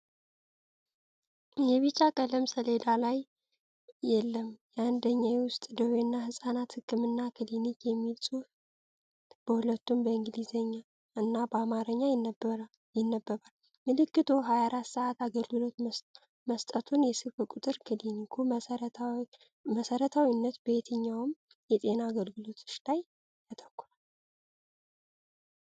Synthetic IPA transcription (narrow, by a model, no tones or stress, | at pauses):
jɛβit͡ʃʼːakʼələmsəled̪alajː | ɛlːəmjɛand̪əɲːajwʊst̪ʼd̪əwenːahɨsʼanat̪hɨkːɨmɨnːakʰɨlinikʰʼjɛmːilsʼu | b̥əhulət̪ːumbəɨŋɡɨlizeɲːa | ʔɨnːabəamaɾəɲːab | jɪnːəbːəβal | mɨlɨkːɨt̪ʰo̞ɦajaɾat̪ːsəʔat̪aɡəlɡɨlo̞t̪ | məst̪ʼət̪ʰunjɛsɨfɨkʼut̪ʼɨɾkʰɨd̪inikʰu | məsəɾət̪ʰawinːət̪bet̪ʰɨɲːawm | jɛt̪ʼe̞naːɡəlɡɨlo̞t̪ɨ̥ʃlaj | jat̪ʰəkːuɾal